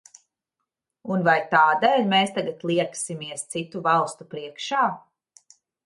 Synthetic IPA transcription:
unvajt̪aːd̪ɛːlʲmeːst̪aɡat̪lˠiɛksimiɛst̪sit̪uvalˠst̪upɾiɛkʃaː

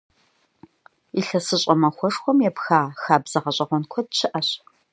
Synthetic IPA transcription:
iɬɐsɨɕʼɐmɐxʷɔʂxʷɔmjɛpxaːxaːbz̥ɐʁɐɕʼɐʁʷɔnkʷʰɔd̚t͡ʃʰɨʔɐɕ

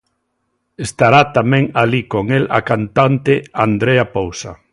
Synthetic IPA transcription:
est̪aɾat̪amɛ̃ŋalikoŋela̰kant̪ant̪eand̪ɾeapowsa̰

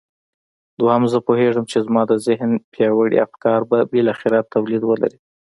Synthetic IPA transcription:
d̪wahamzəpoheʐəmt͡ʃezmɑd̪əzɪɦnpjɑwəɽḭa̰fkɑɾbabelaxɪɾat̪ʰːawlid̪wəla̰ɾi

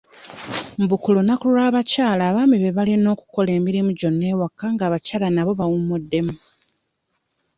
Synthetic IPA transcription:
m̩bukulonakuulaːβacaːlaːβaːmiβeβalino̞ːku̥ko̞le̞ːmiɾimuɟo̞nːe̞ːwakːaŋɡaːβacaːlanaβo̞βawummːudːe̞mu

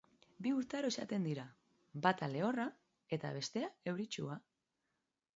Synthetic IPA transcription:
biuɾt̪eaɾoesa̰t̪e̞nd̪iɾa | bat̪ale̞o̞ra | e̞t̪a̰β̞e̞st̪e̞ae̞wɾit͡ʃua

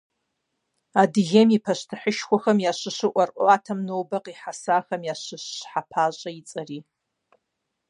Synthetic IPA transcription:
adɣʲemipʰaʃʷtʰaħəʃkʷaxɐmjaʃʷɨʃʷɨʔʷarʔʷʼoatʰamnowbaqʼiħasaxamjaʃʷɨʃːħapʰaʒʷʼait͡sʼari

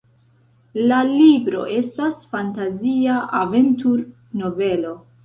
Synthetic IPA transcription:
lalibɾo̞̰ʔe̞stasfantaziaʔaventuɾ | no̞ve̞lo̞

